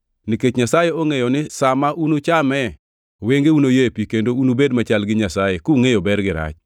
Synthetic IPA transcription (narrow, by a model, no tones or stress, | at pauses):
niket͡ʃɲasajeoŋejɔnɪsamaʔunot͡ʃamɛ | weŋɡeunojepikendounobedmat͡ʃalɡɪɲasajekuŋejobɛɾɡɪɾa̰t͡ʃ